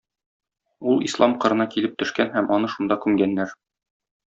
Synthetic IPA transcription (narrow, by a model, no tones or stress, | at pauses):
ulˠḭslˠɑmqɤ̆ɾɤ̆nɑkilɘp̚t̪ɵ̆ʃkænɦæmʔɒnɤʃund̪ɑkʉmɡænːæɾ